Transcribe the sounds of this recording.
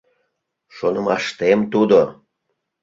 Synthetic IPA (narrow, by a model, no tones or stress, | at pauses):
ʃonə̆mɑʃt̪emt̪ud̪o